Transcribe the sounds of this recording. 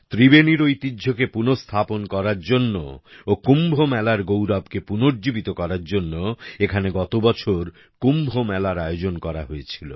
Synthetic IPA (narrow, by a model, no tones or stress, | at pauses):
t̪ɾibeniɾojt̪idʱokepunost̪ʰaponkɔɾaɾd͡ʑonːo̰okumbʱomɛlaɾɡowɾabkepunoɾd͡ʑibit̪okɔɾaɾd͡ʑonːoekʰaneɡɔt̪obɔt͡ɕʰoɾ | kumbʱomɛlaɾaeod͡ʑonkɔɾa̰ɦoet͡ɕʰilo̰